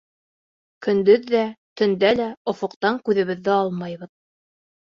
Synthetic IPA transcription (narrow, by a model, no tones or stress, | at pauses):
kɵ̆nd̪ɵðːæt̪ɵ̆nd̪ælæŏfŏqt̪ɑŋkʉðɘ̆βɘ̆ðːɘɑlˠmɑjβɤð